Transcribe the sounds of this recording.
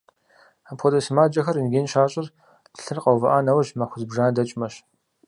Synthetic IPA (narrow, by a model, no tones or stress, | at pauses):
apʰʷɔdɐsmaːd͡ʒʼɐxɐrɨnɡʲeːnʃaːɕʼɪr | dʰɨ̥ɬɨrqɐwvɐʔaːnɐwɐʒmaxʷʊzbʒaːndɐt͡ʃʼmɐɕ